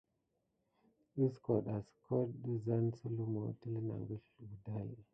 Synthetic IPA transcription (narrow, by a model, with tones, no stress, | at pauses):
ɗə˦sko˨ɗa˨sə̥˨ko˦ɗə˦za˦nsə˦lu˦mo˨˦˨tə˦lə˦na̰˨ŋɡə˦ɬɡu˨da˦jḛ˨